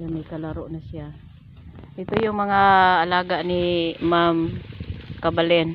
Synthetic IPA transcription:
jamɐjkalɐɾoʔnasɪa | ʔɪt̪ojʊŋmɐŋaːlaːɡanimam | kabalɛn

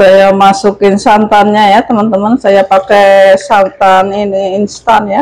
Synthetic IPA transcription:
ajamasukɪnsant̪anɲajat̪əmant̪əmansajapakɛsant̪aniniːnst̪anja

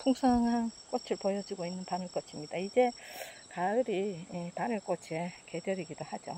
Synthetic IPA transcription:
pʰuŋsʰaŋɦank͈ot͡ɕʰɯɭpojʌd͡ʑiɡoinːɯnpanɯɭk͈ʌt͡ɕʰimɲid̥aid͡ʑe̞kaɯɾiepanɯɭk͈ʌt͡ɕʰeke̞djʌɾiɡidohad͡ʑo̰

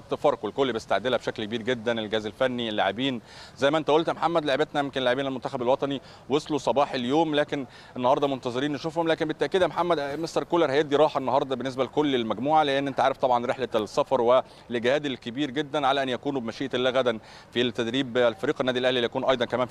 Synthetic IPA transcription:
t̪ːfɑɾˤqelkolːibest̪aʕd̪elæbeʃæklkebiːɾɡed̪ːænelɡæːzelfænːilːaʕebiːnzæjmæʔent̪æʔolt̪moħamːæd̪laʕebet̪næjemkenelaʕebiːnælmont̪æxæbelwɑt̪ˤɑni | wesˤlusˤɑbɑːħeljoːmlæːken | ʔenːɑhɑɾd̪ˤɑmont̪ɑzˤeɾiːnːeʃuːfhomlæːkenbet̪ːæʔkiːd̪æmoħamːæd̪mest̪ɑɾkoːleɾˤhæjed̪ːiɾˤɑːħɑenːɑhɑɾˤd̪ˤɑbenːes̬bælkolːelmæɡmuːʕaleʔenːʔent̪ʕaːɾeft̪ˤɑbʕɑnɾeħlæsːɑfɑɾˤwe | leɡhæːd̪elkebiːɾɡed̪ːænʕalæʔænjækuːnubemæʃiːʔʔelːæːɣæd̪æn | fit̪ːæd̪ɾiːblfɑɾiːqenːæːd̪ilʔæhliljækuːnʔɑjd̪ˤɑnkæmæːn

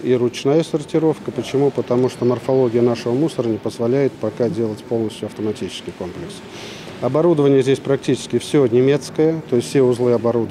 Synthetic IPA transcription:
iɾʊt͡ɕnajəsərtʲɪɾo̞fkəpət͡ɕɪmupət̪ɐmuʂt̪omərfɐlˠo̞ɡʲɪjənaʂəvəmusəɾənʲɪpəzvɐlʲæjɪt̪̚pɐkadʲe̞lˠətʲpo̞lˠnəsʲtʲjʊɐft̪əmɐtʲit͡ɕɪ̥skʲɪjko̞mplʲɪks | ɐbɐɾud̪əvənʲɪjəzʲdʲesʲpɾɐk̚tʲit͡ɕɪ̥skʲɪfsʲonʲɪmʲet̪skəjət̪o̞ɪstʲsʲeʊzlˠɨɐbɐɾud̪ə

